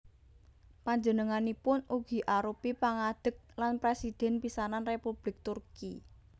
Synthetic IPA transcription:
paɲd͡ʒənəŋanipʊnuɡ̥i̤ʔaɾupipaŋad̪̥ə̤k̚lanpɾesid̪̥ɛ̤npisananrepub̥lɪk̚t̪urki

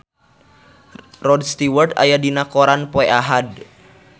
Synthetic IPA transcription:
rɔdst̪iwərd̪a̰jadinakɔɾanpɔɛaɦad

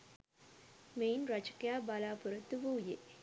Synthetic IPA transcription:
mejnɾat͡ʃə̥kjaːbalaːpuɾət̪ːuʋuːje

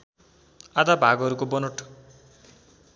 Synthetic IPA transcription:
ad̪abʱaɡʌɾukobʌnoʈʰ

